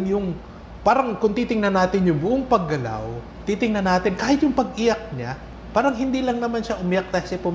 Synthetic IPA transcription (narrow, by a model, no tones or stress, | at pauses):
ŋjʊŋ | paːɾɐŋkʊŋt̪iːt̪ɪŋnɐnaːt̪ɪnjʊŋbʊʔoŋpɐɡːɐla̰w | t̪iːt̪ɪŋnɐnaːt̪ɪnkaːhɪt̪jʊŋpɐɡ̚ʔɪjak̚ɲa | paːɾɐŋɦɪnd̪iːlɐŋnɐmanʃaʔʊmɪjak̚t̪asɛpʊm